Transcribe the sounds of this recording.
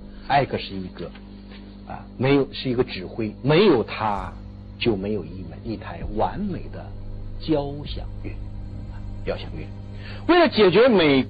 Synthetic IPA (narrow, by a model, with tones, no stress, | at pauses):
a˥˩ɪkɡʰə˧˩ʂɻ̩˥˩i˧˥ɡə˧ | ɐ̰˧˩me˧˥ɪjo˨˩ʊʂɻ̩˥˩i˧˥ɡə˧ʈ͡ʂɻ̩˨˩xwe˥ɪme˧˥ɪjo˨˩ʊt̪ʰa˥ | t͡ɕjo˥˩ʊme˧˥ɪjo˨˩ʊi˥˩ma˨˩i˥˩t̪ʰa˧˥ɪwa˧˥nme˨˩ɪd̪ə̰˦t͡ɕjɑ˥ʊɕjɑ̰˨˩ŋɥɛ̰˥˩ɐ˧t͡ɕjɑ˥ʊɕjɑ̰˨˩ŋɥɛ̰˥˩ | we˥˩ɪlə˩t͡ɕjɛ˨˩t͡ɕɥɛ˧˥me˨˩ɪ